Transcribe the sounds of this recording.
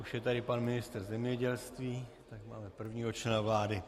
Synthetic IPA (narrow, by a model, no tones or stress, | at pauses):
ʔuʃjɛt̪adɪpanmɪnɪst̪rzɛmɲɛɟɛlst̪viː | t̪akmaːmɛpr̩vɲiːɦot͡ʃlɛnavlaːdɪ